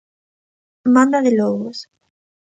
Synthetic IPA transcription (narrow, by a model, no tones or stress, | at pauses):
mãnd̪aðeloɣos